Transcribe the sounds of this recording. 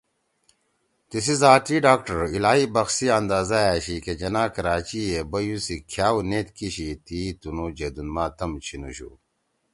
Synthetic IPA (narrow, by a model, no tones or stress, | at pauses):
t̪isizaːʈiɖaːk̚ʈɐɾilaːɦibɐxsiɐnd̪aːzajaːɕiked͡ʑɐnaːkɐɾaːt͡ɕiebɐjusikʰjaːwneːt̪kiɕit̪it̪unud͡ʑed̪unmaːt̪ɐmt͡ɕʰinṵɕṵː